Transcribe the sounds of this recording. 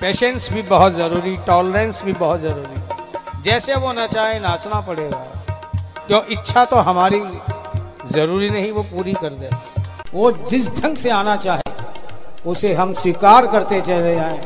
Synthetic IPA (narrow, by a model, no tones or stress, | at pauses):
peːʃə̃nsbʱibɐɦʊt̪zɐɾuːɾiʈɔːləɾẽnsbʱibɐɦʊt̪zɐɾuːɾiɛd͡ʒɛːseʋonɐt͡ʃaːɦenaːt͡ʃnapɐɽ̤eːɡa̰ː | kjoːʔɪtːʃʰat̪oɦɐmaːɾi | zɐɾuːɾinɐɦĩʋopuːɾikɐɾd̪ẽʋod͡ʒɪsɖʱɐ̃ŋɡseaːnat͡ʃaːɦḛ | ʊseɦɐmswɪkaːɾkɐɾt̪et͡ʃɐɦled͡ʒaːẽː